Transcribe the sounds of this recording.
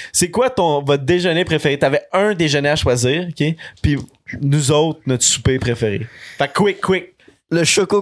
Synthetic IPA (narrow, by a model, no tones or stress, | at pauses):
sekwat̪ɔ̃vɔt̪̚d̪eʒənepχefeʁet̪yavɛə̃d̪eʒəneaʃwaziːʁɔkʲepi | nuzɔʊt̪χnɔt̪su̥pepχefeʁḛfakːwɪkːwɪk̚ | ləʃoko